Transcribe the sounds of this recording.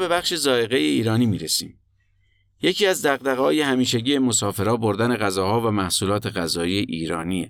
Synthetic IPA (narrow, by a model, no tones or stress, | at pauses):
be̞bæχʃe̞zɒːe̞ɣe̞jeiːɾɒːniːmiːɾesḭːm | je̞cʰiːæzd̪æɣd̪æɣhɒːje̞hæmiːʃ̬eɟiːe̞mo̞sɒːfe̞ɾɒːboɾd̪æne̞ɣæzɒːhɒːvæmæhsuːlɒːt̪ʰe̞ɣæzɒːijeʔiːɾɒːnie